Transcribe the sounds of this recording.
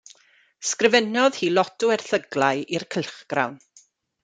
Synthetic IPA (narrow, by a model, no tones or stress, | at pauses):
skrɪvənɔðhiːlˠɔtʊɛrθəɡlajirkʰəlˠχɡ̥ra̰wn